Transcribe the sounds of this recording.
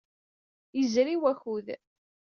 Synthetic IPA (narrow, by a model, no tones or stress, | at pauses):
jəzɾiwæçuð